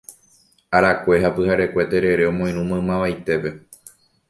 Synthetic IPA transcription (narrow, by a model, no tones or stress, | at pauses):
aɾakʷe̞ɦapɨhaɾe̞kʷe̞t̪eɾe̞ɾe̞omõj̃nũmõɨ̃mãʋajt̪e̞pe̞